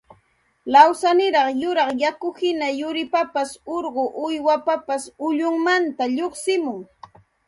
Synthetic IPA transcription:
lawsanɪɾɑχjʊɾɑχjakʊhɪnajʊɾɪpapasoɾɢʊʔʊjwapapasʊʎʊŋmant̪aʎoχsɪmʊŋ

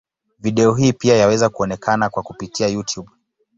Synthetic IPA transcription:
viɗɛɔɦiːpiajawɛzakuɔnɛkʰanakwakupitiajutʰjuɓ

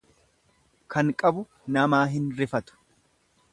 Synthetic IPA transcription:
kʰɐŋkʼɐbʊ | nɐmaːɦɪnɾɪfɐt̪ʊ̥

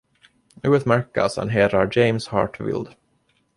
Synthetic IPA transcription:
ʉːət̪mæɾka̰sɛ̰nɦeːɾaɾd͡ʒɛɪmshɑ̰ːɾʈvɪ̰ld̪

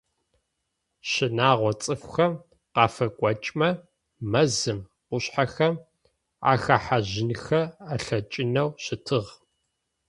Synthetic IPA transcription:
ɕɪnaːʁʷɔt͡sʼɨfxɐm | qɑːfɐkʷʼɔt͡ʃʼmɐ | mɐzɨm | qʷʊɕħaxɐm | a̰ːxaħaʑɪnxɐaɬɐt͡ʃʼɪnɐwɕɪtʰɨʁ

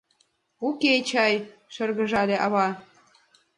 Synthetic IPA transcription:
uket͡ɕɑjʃɤ̆rɣə̆ʒɑlʲĕʔɑ̰βɑ

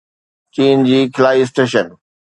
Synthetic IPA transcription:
t͡ɕiːnd͡ʑiːkʰɪlaːis̬ʈeːʃən

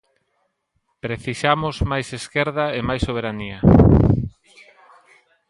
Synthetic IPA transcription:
pɾeθiʃamʊzmajseskeɾðɐemajsoβ̞eɾaniɐ

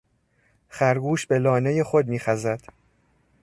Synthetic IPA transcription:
xæɾɡuːʃbe̞lɒːne̞je̞xo̞d̪̚miːxæzæd̪̥

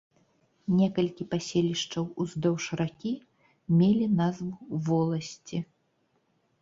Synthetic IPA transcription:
nʲɛkɐlʲkʲipasʲelʲiʂt͡ʂɐwuzd̪ɔwʂɾakʲi | mʲelʲinazvuvɔlˠɐsʲt͡sʲi

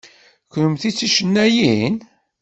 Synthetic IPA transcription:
knəmθit͡sːiʃənːæjin

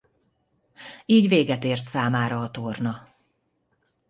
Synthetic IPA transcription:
iːɟveːɡɛt̪eːrt̪saːmaːɾɒːt̪ornɒ

